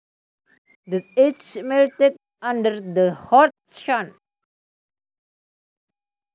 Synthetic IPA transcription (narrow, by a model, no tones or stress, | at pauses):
d̪ɪsed͡ʒmɛlʈeɖ | ʌ̃ɳɖəɾd̪əhɔːɾt̪ | ʃãn